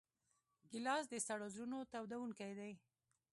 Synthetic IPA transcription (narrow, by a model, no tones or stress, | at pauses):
ɡɪlɑs̬d̪əsaɽozɾunot̪awd̪awuŋkajd̪aj